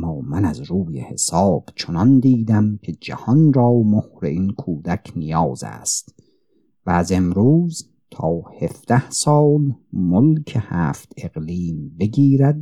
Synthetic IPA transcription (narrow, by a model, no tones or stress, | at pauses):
mːɒːmænæzɾuːjḛhe̞̰sɒːb̥t͡ʃʰonɒnd̪iːd̪æmkʰe̞d͡ʒæ̰hɒnɾɒːmohɾeinkʰuːd̪ækʰnijɒːzæ̰ːst̪ | væːze̞mɾuːz | t̪ʰɒːhe̞fd̪̥æhsɒːlmolkʰe̞hæːft̪ʰe̞ɣliːmbe̞ɡʲiːɾæd̪̚